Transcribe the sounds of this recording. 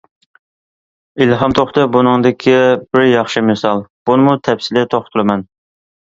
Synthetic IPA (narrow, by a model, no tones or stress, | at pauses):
ilɦɑmt̪ʰoχt̪ɨbunɨŋd̪ɪkʲʰib̥ɪɾjɑχʃɪmɨsɑlˠb̥unɨmut̪ʰɛpsɪlɪt̪ʰoχt̪ʰʊɾˠɨmɛn